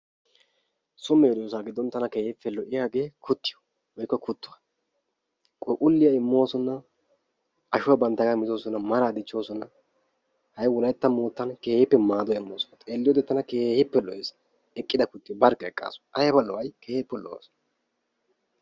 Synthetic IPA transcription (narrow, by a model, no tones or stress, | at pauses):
sʊmːɛɛd̪ɪjos̬aːɡɪd̪ːɔnt̪ːɐnɐke̞ːhɪfːɛlɔʔɪjaːɡeːkʰʊt̪ːɪjɔ̥ | ɔjkːɐkʰʊt̪ːʊwɐ | kʼɔkʼʊlːɪjɐɪmːo̞ːsɔnːɐ | ɐʃʊwɐbɐnt̪ːɐɡɐmɪzoːsɔnːɐmɐɾaːd̪ɪt͡ʃːo̞ːsɔnːɐ | hɐjwɔlɐjɛt̪ːɐmoːt̪ːɐnke̞ːhɪpːɛmaːd̪ɔɪmːoːsɔnɐt̪ʼeːlːɪjoːd̪ɛt̪ːɐnɐkeːhɪpːɛlɔʔeːs | ɛkʼːɪd̪ɐkʊt̪ːɪjɔbɐɾkːɛɛkʼːa̰ːsɐjɐbɐlːɔwɐjkeːhɪpːɛlɔ̰wa̰sɔ̥